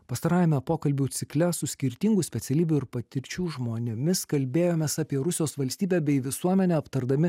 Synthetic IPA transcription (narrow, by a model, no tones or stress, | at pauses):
pɐst̪ɐɾɑːjɛmʲɛpoːkɐlʲbʲuːt̪sʲɪklʲɛsʊsʲkʲɪɾʲt̪ʲiŋɡʊsʲpʲɛt̪sʲɛlʲiːbʲʊɪɾpɐt̪ʲɪɾʲt͡ʃʲuːʒmoːnʲʊmʲɪskɐlʲbʲeːjoːmʲeːsɑːpʲiɛɾʊsʲɪjoːsʋɐlʲsʲt̪ʲiːbʲæːbʲɛɪʋʲɪsuɔmʲɛnʲɛːɐpt̪ɐɾd̪ɐmʲɪ